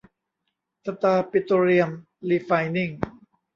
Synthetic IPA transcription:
t̪ʰa˧t̪aː˧pi˧t̪o˧ɾi˧əm | liː˧faː˧jni˥˩ŋ

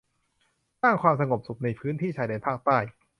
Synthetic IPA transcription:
saː˥˩ŋkʰwaː˧msa˧ŋo˨˩p̚su˨˩k̚na˧jpʰɯː˦˥nt̪ʰiː˥˩t͡ɕʰaː˨˦jdeː˧npʰaː˥˩k̚t̪aː˥˩j

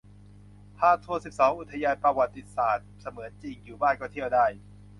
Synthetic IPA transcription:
tʰaː˥˩t̪ʰu˧əsi˨˩p̚sɔː˩˦ŋʔu˨˩t̪ʰːa˧jaː˧jpɾa˧wa˨˩t̪ːi˧saː˨˩t̪̚sa˧mɯː˩˦ət͡ɕi˧ŋjuː˨˩baː˥˩nkɔː˥˩t̪ʰi˥˩əwdaː˥˩j

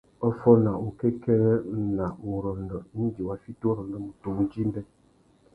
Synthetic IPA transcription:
ɔ˦fɔ˦na˨u˨kɛ˦kɛ˦ɾɛ˦˨na˨u˨ɾɔ˨ndɔ˨˦n̩˦d͡ʒi˨wa˦fi˦tu˦ɾɔ˨ndɔ˨˦mu˨to˨ŋ˦d͡ʒi˦m˦bɛ˦

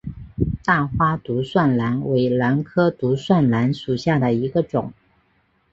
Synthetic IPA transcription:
t̪a˥˩xwa˥t̪u˧˥swa˥˩nla˧˥nwe˧˥ɪla˧˥nkʰɤ˥t̪u˧˥swa˥˩nla˧˥nʂu˨˩ɕja˥˩d̪ə˩i˧˥ɡə˧ʈ͡ʂʊ˨˩˦ŋ

